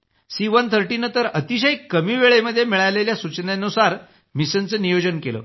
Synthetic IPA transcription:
siʋənt̪ʰəɾʈinət̪əɾət̪iɕəjkːəmiːʋeɭeməd̪ʱːjemiɭajleljasut͡ɕnanusaɾ | misənt͡səːnijod͡ʑənkelə̰ː

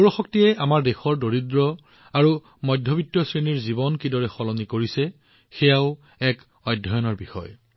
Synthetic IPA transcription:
uɹɔxɔk̚tiɛʔamaɹdexɔɹdoɹidɹɔ | aɹu | mɔjdʱɔbitjɔsɹeniɹzibɔnkidɔɹɛxɔlɔnikoɹisɛ | xɛjaʊ | ɛk | ɔjdʱɔjɔnɔɹbixɔ̰j

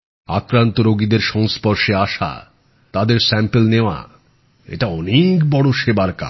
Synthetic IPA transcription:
akɾant̪oɾoɡid̪eɾʃɔŋspɔɾʃeaʃa̰ | t̪ad̪eɾsɛmpelneoa̰ | ḛʈaɔnekbɔɽoʃebaɾka̰

